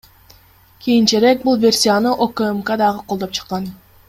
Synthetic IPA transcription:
kʲʰijint͡ʃeɾe̞k̚bulˠvʲe̞rʲsʲijanɯʔokəmkad̪ɑʁɯqʰolˠd̪o̞p̚t͡ʃʰɯ̥qːɑn

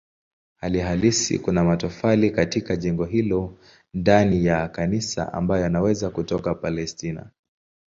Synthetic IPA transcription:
haliɦalisḭkunamatɔfalikatikaʄɛŋɡɔɦilɔ | ndanijakanisa̰a̰mbajɔjanawɛzakutɔkapalɛstina̰

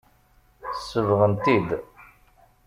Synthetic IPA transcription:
sːəvʁənt̪id̪

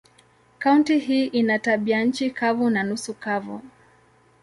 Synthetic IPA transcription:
kauntihiːʔinataɓian̩t͡ʃikavunanusukavu

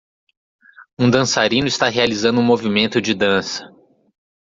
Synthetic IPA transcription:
ũd̪ɐ̃saɾĩnʊist̪aɦealizɐ̃nd̪ʊũmovimẽnt̪ʊd͡ʒɪd̪ɐ̃sɐ̥

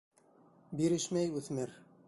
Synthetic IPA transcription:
biɾɘʃmæjʉθmɘɾ

